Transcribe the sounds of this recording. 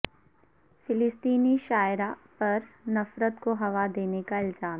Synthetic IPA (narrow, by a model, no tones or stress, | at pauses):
fɪlɪst̪iːniʃaːjɾapɐɾnɐfɾət̪koɦɐʋad̪eːnekaɪlzaːmɦɛ